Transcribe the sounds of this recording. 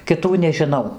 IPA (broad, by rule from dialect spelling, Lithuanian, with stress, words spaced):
kʲɪˈtuː nʲɛʒʲɪˈnɐʊ